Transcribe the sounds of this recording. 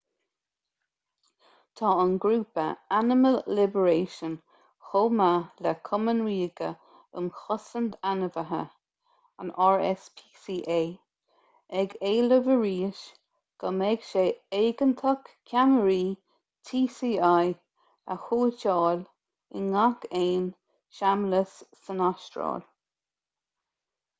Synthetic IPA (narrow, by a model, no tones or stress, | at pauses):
t̪ʰɑːənɡɾuːpə̰anɪməlːɪbəɹeːʃən | xoːmalɛkʰɔmənwiːɡə̰ | ə̰mxɔsənd̪anəvəɦə̰ | ə̰naɹɛ̰spʰiːsiːʔeː | ɛɡeːləvəɹiːʃ | ɡ̥əmɛɡʃeːeːɡənt̪ʰɔkkʲʰanəɾiː | t̪ʰiːsiːaj | ə̰xuːt͡ʃɑːl | ɪ̰nakʰeːn | ʃamləsː | ənaʃtɹɔ̰ːl